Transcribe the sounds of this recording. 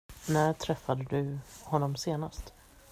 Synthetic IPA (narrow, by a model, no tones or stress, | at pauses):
næʈʰɾɛfːad̪əd̪ɵhɔnːɔmseːnast̪